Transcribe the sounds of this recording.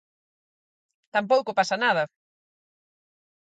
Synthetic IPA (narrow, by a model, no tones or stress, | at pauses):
t̪amp̬owkʊpasɐnaðɐ